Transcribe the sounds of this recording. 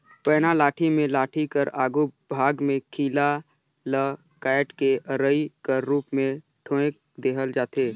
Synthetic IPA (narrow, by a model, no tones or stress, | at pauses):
pɛːnalaːʈʰimẽlaːʈʰikəɾaːɡubʱaːɡmẽkʰiːla | lə | kaːɪʈkeʔəɾəikəɾːuːpmẽ | ʈʰõːẽk̚ | d̪eːɦəld͡ʒaːt̪eː